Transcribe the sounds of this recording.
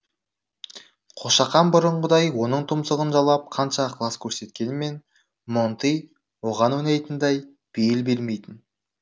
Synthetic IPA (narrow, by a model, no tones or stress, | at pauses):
qʰoʃɑqɑnbʊɾəɴəd̪ɑjwo̞nəɴt̪ʰʊmsəʁənʒɑlˠɑp̚qʰɑnʃɑqʰlˠɑskʲʰɵɾse̞t̪kʲe̞nɪme̞n | mont̪ij | wo̞ʁɑnwɵnejt̪ɪnd̪ɑj | b̥ejɪlbe̞lme̞jt̪ɪn